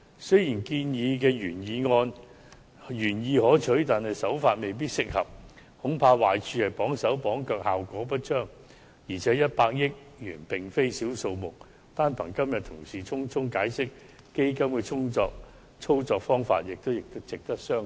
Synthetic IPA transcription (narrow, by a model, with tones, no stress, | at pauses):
sɵ˥jiː˨˩nkiː˧njiː˨˧k̬ɛː˧jyː˨˩njiː˧ŋɔː˧n | jyː˨˩njiː˨˧hɔː˨˥t͡ʃʰɵ˨˥ɥt̪aː˨˩nhɐ˨jsɐ˨˥wfaː˧t̚me˨jp̬iː˥t̚sɪ˨k̚hɐ˨p̚ | hʊ˨˥ŋpʰaː˧waː˨˩jt͡ʃʰyː˧hɐ˨jpɔː˨˥ŋsɐ˨˥wpɔː˨˥ŋkœː˨˧k̚haː˨wkʷɔː˨˥p̬ɐ˥t̚t͡ʃœː˥˩ŋ | jiː˨˩t͡sʰɛː˨˥jɐ˥t̚paː˧k̚jɪ˥k̚ | jyː˨˩npɪ˨ŋfe˥jsiː˨˥wso˧wmʊ˨k̚ | t̪aː˥npʰɐ˨˩ŋkɐ˥mjɐ˨t̪ʰʊ˨˩ŋsiː˨t͡sʰʊ˥ŋt͡sʰʊ˥ŋkaː˨˥jsɪ˥k̚ | ke˥jkɐ˥mkɛː˧t͡sʰʊ˥ŋt͡sɔː˧k̚ | t͡sʰo˥wt͡sɔː˧k̚fɔː˥ŋfa̰ː˧t̚jɪ˨k̚t̪o˥wjɪ˨k̚t̪ʊ˥wt͡sɪ˨k̚t̪ɐ˥k̚sœː˥